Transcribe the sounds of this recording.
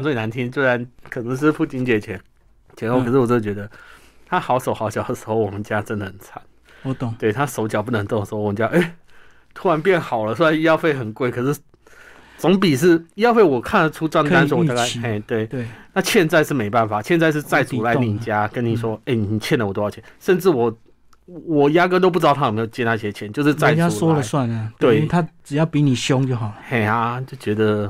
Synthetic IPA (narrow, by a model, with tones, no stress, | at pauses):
t͡swe˥˩ɪna˧˦nt̪ʰi˦nswe˥ɪɻa˨˧˦nkʰɤ˨˩nə˧˥ŋʂ̬ɻ̩˥˧pʰu˥˩t͡ɕi˧˥nt͡ɕjɛ˨˩t͡ɕʰjɛ˧˥n | t͡ɕʰɛ˧˥o˥˩kʰʂɻ̩˥˩wɔ˨˩t͡ɕjo˥˩t͡ɕɥɛ˧˥d̪ə˧ | t̪ʰa˥xɑ˧˥ʊʂo˨˩ʊxɑ˧˥ʊɕjɑ˨˩ʊd̪ə˩ʂɻ̩˧˥xo˥˩ʊwɔ˨˩mə˦nt͡ɕja˦˥ʈ͡ʂə˦nd̪ə˨˩hə˨˩˦nt͡sʰa˨˩˦n˨ | t̪we˥˩ɪt̪ʰa˥ʂo˧˥ʊt͡ɕjɑ˨˩ʊpu˥˩nə˧˥ŋt̪o˥˧˩ʂ̩˧˥˧t͡ɕo˨ʔe˥˩ɪ | t̪ʰu˥ɻa˧˥npjɛ˥˩nxɑ˨˩ʊlə˦swe˥a˧˥ni˥jɑ˥˧ʊfe˥˩ɪxə˨˩nkwe˥˧ɪkʰɤ˨˩ʂɻ̩˥˩ | t͡so˧˥ŋp̬i˨˩ʂ̬ɻ̩˥˩i˥jɑ˥˧fe˥˩ɪwɔ˨˩kʰa˥˩nə˩ʈ͡ʂʰu˥t͡swa˥˩ŋ˧a˥nsɔ˥˩wɔ˨t̪a˥˧ka˥˧˩e˥˧˩t̪we˥˩ɪ˥˩na˥˧ɕjɛ˥˧nt͡sa˥˧ɪʂɻ̩˥˩me˧˥ɪpa˥˩nfa˨˩ɕjɛ˥˧nt͡sa˥˧ɪʂ̬ɻ̩˥˧t͡sa˥˩ɪt͡su˨˩la˧˥ɪ˧ni˨˧˨t͡ɕja˦kə˦nːi˨˩ʂ̬wɔ˦˥e˥˩ɪn˨˩ni˨˩t͡ɕʰjɛ˥˩nd̪ə˨wt̪o˥˧jɑ˥˩jɛ˥˨nʂə˥˧nʈ͡ʂɻ̩˥˩wɔ˨˩ | wɔ˨˩ja˦˥kɤ˥˧t̪o˥ʊu˥˧˥tʰm˧˥o˨˩t͡ɕjɛ˥na˥˧˩ɕjɛ˥t͡ɕʰjɛ˧˦nt͡ɕjo˥˧ʊʂ̬ɻ̩˥˧t͡sa˥˧ɪa˥˨swɔ˥ə˨˦swa˥˨nə˨tt̪we˥˩ɪt̪ʰa˦˥t͡sɻ̩˨˩jɑ˥˩ʊpi˧˦ni˨˩ɕjo˦ŋt͡ɕjo˥˩ʊxɑ˨˩ʊlhe˨˩ɪa˧t͡ɕjo˥˩ʊt͡ɕɥɛ˧˥d̪ə˧